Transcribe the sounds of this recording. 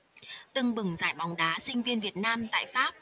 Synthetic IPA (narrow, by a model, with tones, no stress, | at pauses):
t̪ɨ˨˩ŋɓɨ˨˩ŋzaː˧˩jɓa˨˦wŋ͡mɗaː˨˦sï˧ŋ̟vi˧ənvi˨˩ət̚naː˧mt̪a̰ː˧˨jfaː˦˥p̚